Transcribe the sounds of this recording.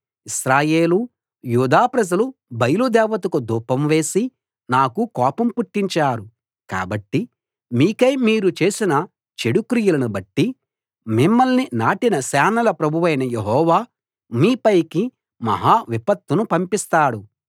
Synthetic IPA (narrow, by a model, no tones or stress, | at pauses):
isɾaːjeːlu | juːd̪aːpɾɐd͡ʒɐlubɐjɐlud̪ɛːʋɐt̪̬ukud̪uːpɐmʋe̞ːsi | naːkukɔːpɐmpuʈːiɲt͡ʃaːɾu | ka̰ːbɐʈːi | miːkɐjmiːɾut͡ʃe̞ːsinɐ | t͡ʃeɽukɾijulɐnubɐʈːi | mimːɐlninaːʈinɐsɛːnɐlɐpɾɐbʱuʋɐjnɐjeɦɔːʋaː | miːpɐjki | mɐ̰ɦaːʋipɐt̪ːunupɐmpist̪aːɽu